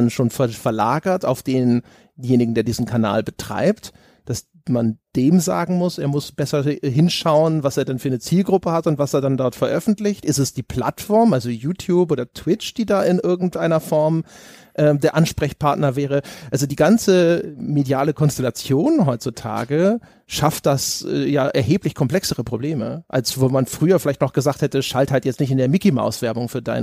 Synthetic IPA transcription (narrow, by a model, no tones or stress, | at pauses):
nʃoːnfɛfɛɐla̰ːɡɐta̰ʊfd̥eːn | jeːnɪɡŋ̩deːɐdiːzn̩kʰana̰ːlbətʁ̥a̰ɪpt | d̥as | mand̥eːmza̰ːɡŋ̩mʊsʔeːɐmʊsb̥ɛsɐɦɪnʃaʊənvaseːɐdanfyːɐnət͡siːlɡʁʊpəhatʊntv̥aseːɐdandɔɐtfɛɐʔœfn̩tlɪçtʔɪstɛsd̥iːpʰl̥a̰tfɔɐmʔalzojuːtʰjuːpʔoːdɐtʰw̥ɪt͡ʃd̥iːdaːʔɪnʔɪɐɡŋ̩tʔaɪnɐfɔɐmʔɛːmdeːɐʔanʃpʁ̥ɛçpʰaɐtnɐvɛːʁ̞əʔalzodiːɡant͡səmedjaːləkʰɔnstɛlat͡sjoːnɦɔʏt͡sutʰa̰ːɡə | ʃaft̚d̥asɛ̰ːjaːʔɛ̰ɐɦeːplɪçkʰɔmplɛksəʁəpʁ̥obleːmə̰ʔa̰lsvoːmanfʁ̥yːɐfɪlaɪçtnɔχɡ̥əzaːkthɛtəʃalthaltjɛt͡stnɪçtɪndeːɐmikima̰ʊsv̥ɛɐbʊŋfyːɐda̰ɪn